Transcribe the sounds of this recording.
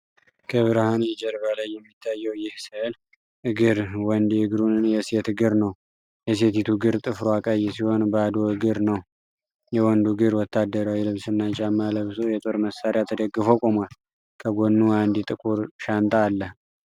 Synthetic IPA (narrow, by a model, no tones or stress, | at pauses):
kʰəβɨɾhanɛd͡ʒəɾbalajːɛmːit̪ʰːajːɛwjɪhsɨl | ʔɨɡɨɾwɔnd̪iɨɡɾunɨnjɛse̞t̪ɡɨɾnəw | jɛs̬e̞t̪it̪ʰuɡɨɾt̪ʼɨfɾoakʼajːɛsiho̞nbəad̪oɨɡɨɾnəw | jɛwɔnd̪uɡɨɾwɔt̪ʰːad̪ːəɾawilɨβsɨnːat͡ʃʼamːaləβsojɛt̪ʼoɾməsaɾjat̪ʰːəd̪əɡːɨfo̞kʼomal | kʰəɡonːuand̪it̪ʼɨkʼuɾʃant̪ʼaːlːəh